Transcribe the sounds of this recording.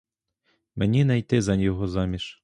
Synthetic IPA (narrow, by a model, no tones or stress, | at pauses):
menʲinɐjt̪ɪzɐnʲjɔɦɔzɑmʲiʃ